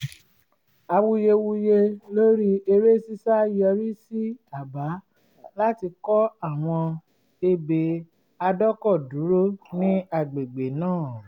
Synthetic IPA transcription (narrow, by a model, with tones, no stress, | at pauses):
a˧wu˧je˧wu˧je˧lo˦ɾi˦e˧ɾe˦si˦sa˦jɔ˧ɾi˦si˦a˦˨ba˨˦ | la˦ti˧kɔ˦a˦˨w̃ɔ̃˧ | e˧be˨ | a˧dɔ˦kɔ˦˨du˨˦ɾo˦nĩ˦a˧˨ɡ͡be˨ɡ͡be˨nãː˦˨